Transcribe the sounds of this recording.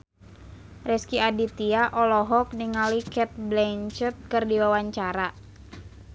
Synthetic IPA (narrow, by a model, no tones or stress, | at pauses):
rɛskiadit̪iaʔɔlɔɦɔk̚niŋalikɛt̪̚blɛɲt͡ʃət̪̚kɨrdiwawaɲt͡ʃaɾa